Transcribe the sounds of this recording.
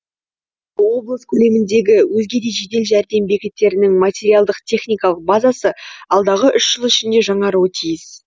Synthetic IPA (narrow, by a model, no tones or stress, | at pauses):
wo̞blˠəskʲʰɵle̞mɪnd̪e̞ɡʲɪwɵzɡʲe̞d̪e̞ʒe̞d̪e̞lʒæɾd̪e̞mbe̞kʲɪt̪ːe̞ɾɪnɪŋmat̪ʲe̞ɾijalˠd̪əqt̪ʲʰe̞χnijkɑlˠəq̚bazɑsəɑlˠd̪ɑʁəʔʏʃʒ̥əlˠɪʃɪnd̪e̞ʒɑɴɑɾuwət̪ʰijɪs